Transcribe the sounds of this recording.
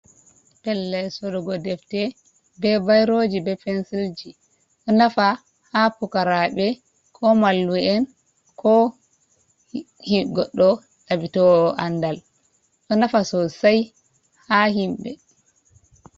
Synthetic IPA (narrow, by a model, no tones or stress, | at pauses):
pɛlːɛsɔdɔɡɔdɛftɛ | bɛbajɾod͡ʒibɛpɛnsild͡ʒi | ʔɔnafa | hapukaɾaɓɛ | kʰɔmalːuɛn | kʰɔ | hiɡɔɗːɔ | ɗabitɔɔʔandal | ʔɔnafasɔsaj | hahimɓɛ